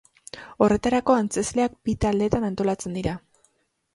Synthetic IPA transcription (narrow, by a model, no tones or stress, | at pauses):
o̞re̞t̪aɾako̞ant͡se̞zle̞ak̚bit̪ald̪e̞t̪anant̪o̞lat͡se̞nd̪iɾa